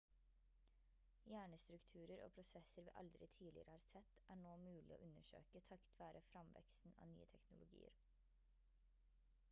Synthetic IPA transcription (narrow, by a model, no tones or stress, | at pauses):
jæːɳəst̪ɾʉkt̪ʰʉːɾəɾo̰ːpʰɾʊsɛsəɾʋḭːʔɑld̪ɾɪt̪ʰiːlɪəɾəhɑːɾsɛt̪ːʔæːɳoːmʉːlɪo̰ːʔʉnəʂø̰ːkət̪ʰɑkt̪ʰʋɑːɾʔəfɾɑmʋɛ̰ksn̩ɑ̰ːny̰ːət̪ʰɛknʊlʊɡḭːə̰ɾ